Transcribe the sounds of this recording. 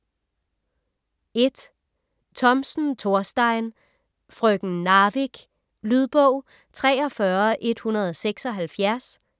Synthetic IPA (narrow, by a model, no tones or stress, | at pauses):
e̝d̥ | t͡sʰɒ̽msn̩t͡sʰo̝ɐsd̥ɑ̈ɪ̰n | fʁœɡ̥n̩ːɑ̈ːʋiɡ̥ | lyð̞ˠb̥ɔʊ̰ | t͡sʰʁɛ̰ːɒ̽fɶɐʔe̝d̥hunɐð̞ˠɒseɡ̥sɒ̽ɦælfjæɐs